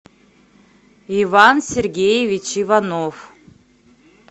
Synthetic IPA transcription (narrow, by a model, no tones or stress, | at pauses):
ivansʲerɡʲejevʲit͡ʃʰivanov